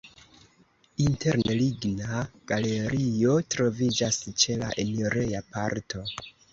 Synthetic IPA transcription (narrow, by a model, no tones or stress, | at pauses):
inte̞ɾneliɡnaɡ̥ale̞ɾio̞tɾo̞vid͡ʒast͡ʃe̞la̰ʔeneɾejapa̰ɾto̞